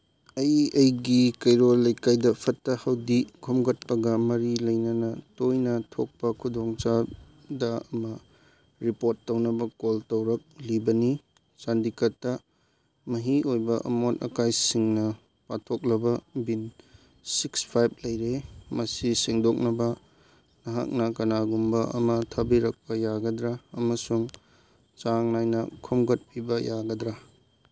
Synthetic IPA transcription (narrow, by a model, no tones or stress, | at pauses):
ɐjɐjɡikɐjɾolɐjkajdɐpʰɐtːɐhɐwdikʰomɡɐt̚pɐɡɐmɐɾilɐjnɐnɐtojnɐtʰok̚pɐkʰudoŋt͡ʃa | dɐɐmɐ | ɾipoɾtːɐwnɐbɐkoltɐwɾɐk̚libɐni | sandikɐtːɐ | mɐɦiojbɐʔɐ̰motɐ̰kajsiŋnɐ | patʰok̚lɐbɐbin | sikspʰajb̚lɐjɾemɐsiseŋdok̚nɐbɐ | nɐɦa̰k̚nɐkɐnaɡumbɐɐ̰mɐtʰɐbiɾɐk̚pɐjaɡɐdɾaːmɐsuŋ | t͡ʃaŋnajnɐkʰɔmɡɐt̚pʰibɐjaɡɐdɾa